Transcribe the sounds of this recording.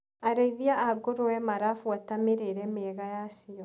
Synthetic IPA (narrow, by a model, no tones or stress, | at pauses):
aɾeiðiaʔaɡoɾowɛmaɾafuatameɾeɾɛmeɛɣajasiɔ